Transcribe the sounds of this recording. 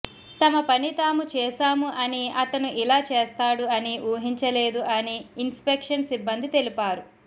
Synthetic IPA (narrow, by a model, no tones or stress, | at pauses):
t̪ɐmɐpɐnit̪aːmut͡ʃɛːʃaːmuʔɐniʔɐt̪ɐnuʔilaːt͡ʃeːst̪aːɽuɐniʔuːɦiɲt͡ʃɐleːd̪uʔɐniːnspekʂɐnsibːɐnd̪it̪e̞lipaːɾu